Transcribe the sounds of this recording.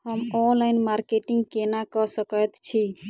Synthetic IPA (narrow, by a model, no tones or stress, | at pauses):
həmɔnlaɪnmaɾkeʈiŋɡkenakəsəkət̪t͡ʃʰi